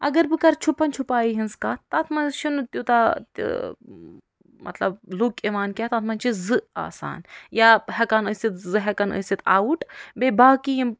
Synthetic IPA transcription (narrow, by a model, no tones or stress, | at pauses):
ɐ̰ɡɐɾbɨkɐɾt͡ʃʰupɐnt͡ʃʰupaːjiɦinskaːt̪ɐt̪ʰmɐnzʃunt̪ʲut̪at̪ | mʔɐ̰t̪lɐ̰blukeʋaːnkʲaːt̪ɐt̪ʰmɐnt͡ʃizɨa̰ːsa̰ːnjaːhɐkɐnəsit̪zɨɦɐkɐnə̰sit̪ʰa̰ːwuʈbeːbaːkijim